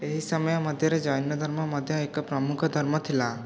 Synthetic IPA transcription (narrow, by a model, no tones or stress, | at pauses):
eɦisəməjɔ̃məd̪ʱjʌɾed͡ʒɔjnjɔd̪ʱəɾmɔməd̪ʱjɔekpɾɔmukʰɔd̪ʱɔɾmɔt̪ʰila